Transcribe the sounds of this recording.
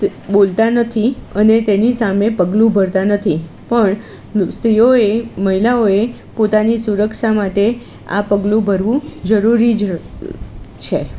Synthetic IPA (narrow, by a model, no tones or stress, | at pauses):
bolt̪anət̪ʰiənet̪enisamepəɡlũbʱəɾt̪anət̪ʰi | pəɳ | st̪ɾijoeməɦilaoe | pot̪anisuɾəkʃamaʈe | a̰pəɡlũbʱəɾʋũd͡ʒəɾuɾid͡ʒ | t͡ʃʰe